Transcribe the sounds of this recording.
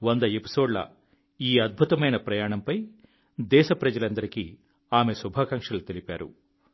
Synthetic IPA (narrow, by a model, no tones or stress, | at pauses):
ʋond̪ɐepi̥so̞ːɖlɐ̰ | iːɐd̪̚bʱut̪ɐmɐjnɐpɾɐjaːɳɐmpɐj | d̪ɛːʃɐpɾɐd͡ʒɐlɐnd̪ɐɾiki | aːme̞subʱaːkɐŋkʂɐlut̪elipaːɾṵ